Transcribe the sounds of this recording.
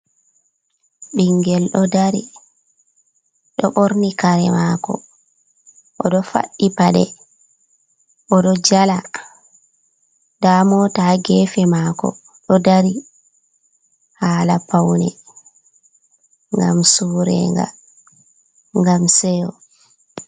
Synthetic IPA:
ɓiŋɡɛlɗɔdaɾi | ɗɔɓoɾnikaɾɛmaːkɔ̰ | ʔɔɗɔfa̰ɗːipaɗɛ | ʔɔɗɔd͡ʒala | damɔtaɡɛːfɛmaːkɔ̰ | ɗɔdaɾi | haːlapawnɛ̰ | ŋɡa̰msuːɾɛ̰ŋɡa̰ | ŋɡamsɛjɔ

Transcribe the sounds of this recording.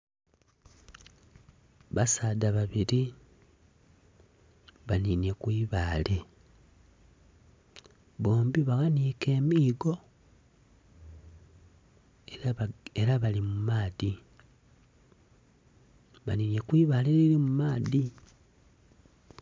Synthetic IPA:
βasaːdaβaβiɾi | βaninje̞kwiːβaːle̞ | βoːmbiβaɣaniːke̞ːmiːɡo̞ | eɾaβalimumaːði | βa̰ninje̞kwiːβaːleɾiɾimumaːði

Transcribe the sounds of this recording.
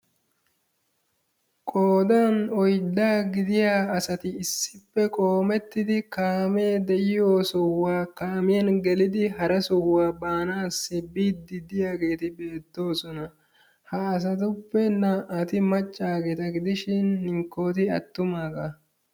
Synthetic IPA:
kʼoːd̪anɔjd̪ːaːɡɪd̪ɪjaːɐsɐt̪ɪːsːɪpːɛkʼoːmɛt̪ːɪd̪ɪkaːme̞ːd̪ɛʔɪjo̞ːsʊwːaːkaːmɪjɐnɡɛlɪd̪ɪɦɐɾɐsɔwːaːbaːnaːsːɪbːiːd̪ɪd̪ɪjaːɡe̞ːt̪ɪbe̞ːt̪ːo̞ːsɔnɐ | hɐːs̬ɐt̪ʊpːɛnɐʔɐt̪ɪmɐt͡ʃʼːaːɡeːt̪ɐɡɪd̪ɪʃɪnːɪŋkːo̞ːt̪ɪɐ̰t̪ːʊmaːɡɐ

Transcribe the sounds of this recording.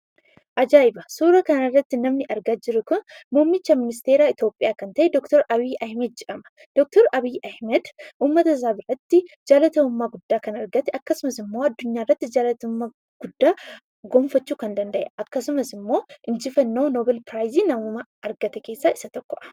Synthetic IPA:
ʔɐd͡ʒaːɪbɐsuːɾɐkɐnɐrːɐt̪ːɪnɐmnɪʔɐɾɡaːd͡ʒɪɾʊkʊnmʊːmɪt͡ʃːɐmɪnɪs̬t̪eːɾaːɪt̪o̞ːpʼɪjaːkɐnt̪ɐʔɛd̪ɔkt̪ɔɾɐβiːʔɐhmɐd̪̚d͡ʒɛʔɐmɐ̥ | d̪̥ɔk̚t̪ɔɾɐbiːjʔɐhmɐd̪ʔuːmːɐt̪ɐs̬aːbɪɾɐt̪ːɪ | d͡ʒaːlɐt̪ɐʊmːaːɡʊd̪ːaːkɐnɐɾɡɐt̪ɛʔɐkːɐsʊmɐsɪmːo̞ːɐd̪ːʊɲːaːɪrːɐt̪ːɪd͡ʒaːlɐt̪ɐmːaː | ɡ̥ʊd̪ːaː | ɡoɱfɐt͡ʃːuːkɐnd̪ɐnd̪ɐʔɛ̰ʔɐkːɐsʊmɐsɪmːo̞ːʔɪnd͡ʒɪfɐnːo̞ːnoːbɛlpɾaːjziːnɐmumɐɐɾɡɐt̪ɛke̞ːsːaːɪsɐt̪ɔkːɔʔɐ̥

